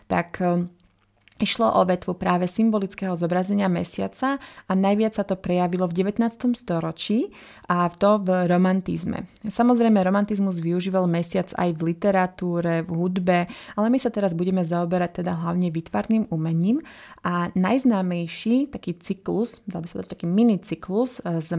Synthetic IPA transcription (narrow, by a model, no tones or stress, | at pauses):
t̪ak | iʃlɔʔɔʋɛt̪ʋupɾaːʋɛsimbɔlit͡skɛɦɔzɔbɾazɛɲɪamɛ̰sɪa̰t͡saanajʋɪat͡ssat̪ɔpɾɛjaʋilɔvɟɛʋɛt̪naːt͡st̪ɔmst̪ɔɾɔt͡ʃiː | ʔaft̪ɔvɾɔmant̪izmɛ̰samɔzɾɛjmɛɾɔmant̪izmuzʋiuʒiːʋalmɛsɪad͡za̰jvlit̪ɛɾat̪uːɾɛvɦud̪bɛalɛmisat̪ɛɾazbuɟɛmɛzaɔbɛɾac̚t̪ɛd̪aɦlaʊɲɛʋit̪ʋa̰ːɾniːmumɛɲiːm | ʔanajznaːmɛjʃiːt̪akiːt͡sikluz̥d̪albisat̪d̪at͡ʃt̪akiːminit͡sikluzz